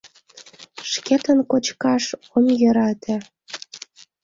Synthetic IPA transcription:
ʃket̪ənkot͡ɕkɑʃ | omjə̆ɾɑt̪ʰĕ

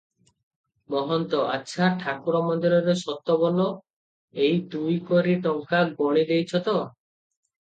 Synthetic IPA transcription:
mɔɦɔnt̪ɔʔa̰tːʃʰaʈʰakuɾɔmɔnd̪iɾɔɾesɔt̪ɔbɔlɔ | ejd̪ujkoɾiʈɔŋkaɡɔɽ̃id̪ejt͡ʃʰɔt̪ɔ

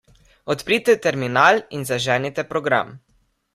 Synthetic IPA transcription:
ɔt̪pɾiːt̪ɛt̪ɛɾminaːlinzaʒɛːnit̪ɛpɾɔɡɾa̰m

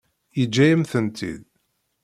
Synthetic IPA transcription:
jəd͡ʒːæjəmθənt̪ʰḭð

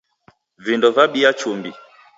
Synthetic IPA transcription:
vindɔvaɓiat͡ʃumbi

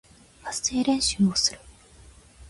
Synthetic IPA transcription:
asɨ̥eːɾẽ̞ɰ̃ɕɨːmosɨɾɯ̟

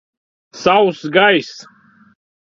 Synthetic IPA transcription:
sawsɡajs

